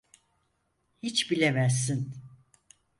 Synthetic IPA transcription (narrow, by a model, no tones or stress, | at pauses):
hit͡ʃbilʲemæs̬ːin